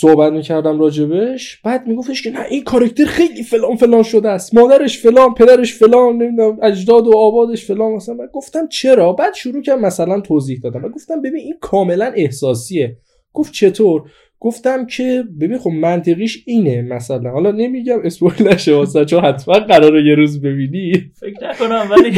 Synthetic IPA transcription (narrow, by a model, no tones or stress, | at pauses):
sohbæt̪miːcʰæɾd̪æmɾɒːd͡ʒe̞beʃb̥æːd̪̚miːɡo̞ft̪eʃcʰenæʔinkʰɒɾæcʰt̪ʰe̞ɾxe̞jliːfe̞lɒːnfe̞lɒːnʃod̪eæst̪mɒːd̪æɾe̞ʃfe̞lɒːnpʰe̞d̪æɾeʃfe̞lɒːnːemid̪unæmæd͡ʒd̪ɒːd̪oɒːbɒːd̪e̞ʃfelɒːnmæsænmæd̪ɡo̞ft̪æmt͡ʃʰe̞ɾɒːbæːd̪̥ʃuɾuːcʰæɾd̪mæsælænt̪ʰoziːhd̪ɒːd̪æmvæɡo̞ft̪æmbebiːninkʰɒːme̞læne̞hsɒːsie̞ | ɡ̥o̞f̚t͡ʃʰe̞t̪ʰoɾ | ɡ̥oft̪æmcʰe̞be̞biːnxobmænt̪ʰeɣiːʃiːnemæsælænhɒːlɒne̞miɟæme̞sbojlæʃevɒsænt͡ʃʰohæt̪ʰmænɢæɾɒːɾeje̞ɾuːzbe̞biːnifeknækonæm